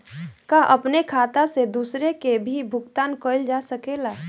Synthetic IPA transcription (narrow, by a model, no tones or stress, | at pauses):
kaʔəpnekʰaːt̪ased̪uːsɾekebʱibʱʊɡt̪aːnkoɪld͡ʒasəkeːlaː